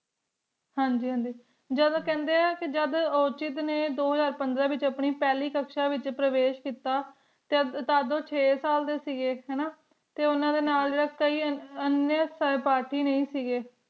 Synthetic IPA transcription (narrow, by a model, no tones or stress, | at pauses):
hãːɲd͡ʒiːɦãːnd͡ʒiː | d͡ʒəd̪̃ːkɛ̃ːnd̪eːaːkɪd͡ʒəd̪ot͡ʃɪt̪neːd̪oːɦəzaːɾpənd̪ɾaːʋɪt͡ʃəpɳiːpɛːliːkəkʃaːʋɪt͡ʃpɾəʋeːʃkiːt̪aː | t̪et̪aːd̪õːt͡ʃʰeːsaːld̪eːsiːɡeːɦɛːnaː | t̪eːʊnãːd̪eːnaːlɾəkəiːənjəspaːɾʈiːnəĩːsiːɡeː